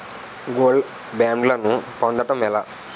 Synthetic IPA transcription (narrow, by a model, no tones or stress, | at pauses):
ɡoːl | baːmɖlɐnup̪ond̪ɐʈɐmɛlaː